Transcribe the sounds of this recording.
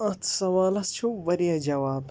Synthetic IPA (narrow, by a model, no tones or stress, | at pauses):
ɐt̪ʰsɐʋaːlɐst͡ʃʰuʋɐɾijɐd͡ʒɐʋaːb